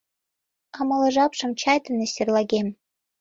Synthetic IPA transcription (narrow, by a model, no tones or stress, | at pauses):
ɑmɤ̆lˠɤ̆ʒɑpʂɤ̆mt͡ɕʰɑjt̪ɤ̆nĕsʲerlɑɡʲem